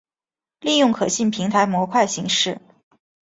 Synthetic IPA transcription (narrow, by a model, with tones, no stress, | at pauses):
li˥˧jʊ˥˩ŋkʰɤ˨˩ɕi˥˩npʰi˧˥ŋt̪ʰa˧˥ɪmwɔ˧˥kʰwa˥˩ɪɕi˧˥ŋʂɻ̩˥˩